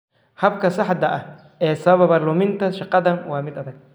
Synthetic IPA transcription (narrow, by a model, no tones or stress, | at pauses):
hɐbkʰɐsɑħd̪ɐʔɐh | ɛːsɐβɐβɐβɐrlɔmɪnt̪ʰɐʃɑqɑðɐnwɑːmɪd̪ɐðɐɡ̚